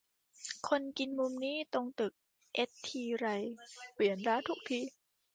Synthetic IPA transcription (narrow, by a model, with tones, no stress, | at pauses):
kʰo˧nki˧nmu˧mniː˦˥˩t̪o˧ŋt̪ɯ˨˩k̚ | ʔe˦˥t̚t̪ʰiː˧ɾa˧jpli˨˩ənɾaː˧˥t̪ʰu˦˥k̚t̪ʰiː˧